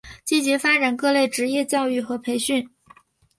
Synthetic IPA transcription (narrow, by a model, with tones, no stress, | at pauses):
t͡ɕi˥˩t͡ɕjɛ˧˥fa˥ʈ͡ʂa˨˩nkɤ˥˧le˥˩ɪʈ͡ʂɻ̩˧˥jɛ˥˧t͡ɕjɑ˥˧ʊy˥˩xɤ˧˥pʰe˧˥ɪɕy˥˩n